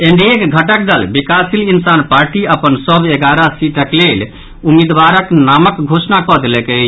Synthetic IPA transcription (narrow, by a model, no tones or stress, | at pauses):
eɳɖiekɡʱəʈək̚d̪əlbikasilinsanpaɾʈiəpənsəbʱeɡaɾasiʈəklel | umid̪baɾəknaməkɡʱosnakɔd̪elɛke